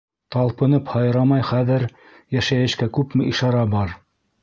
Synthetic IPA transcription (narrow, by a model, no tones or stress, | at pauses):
t̪ɑlˠpɤ̆nɤphɑjɤ̆ɾɑmɑjχæðɘɾ | jæʃæjɘ̆ʃkækʉpmɘʔiʃɑɾɑbɑɾ